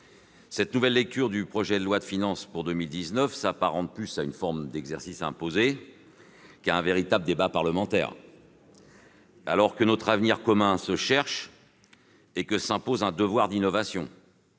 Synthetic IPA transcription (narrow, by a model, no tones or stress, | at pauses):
sɛt̪nuvɛlːɛk̚t̪yʁd̪ypχɔʒɛd̪əlwad̪əfinɑ̃spuʁd̪əmild̪iznœfsapaʁɑ̃plysaynfɔʁmd̪ɛɡzɛʁsisɛ̰̃poze | kaɛ̃veʁit̪abləd̪ebapaʁləmɑ̃t̪ɛ̰ːʁ | a̰lɔʁkənɔt̪χavniʁkɔmɛ̃səʃɛʁʃ | ekəsɛ̃pozɛ̃d̪əvwaʁd̪inɔvasjɔ̰̃